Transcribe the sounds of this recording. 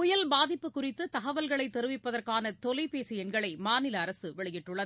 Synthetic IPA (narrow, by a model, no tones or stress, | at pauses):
ʊjɐlbaːðɪpːɯkːʊrɪt̪ːɯt̪ɐɣɐʋɐlɣɐɭɐɪt̪ːɛɾɯʋɪpːɐðɐrkaːnɐt̪ɔlɪpeːsɪjɛnɡɐɭɐɪmaːnɪlɐːɾɐsɯʋɛɭɪjɪʈːɯɭːɐð